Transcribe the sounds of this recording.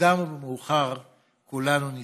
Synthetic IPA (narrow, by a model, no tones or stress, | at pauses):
amubemuːχaʁ | kulanuni